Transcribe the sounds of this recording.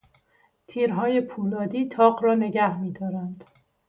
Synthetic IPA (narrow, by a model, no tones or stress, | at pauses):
t̪ʰiːɾɦɒːje̞pʰuːlɒːd̪iːt̪ʰɒːɢɾɒːne̞ɡæhmiːd̪ɒːɾænd̪̥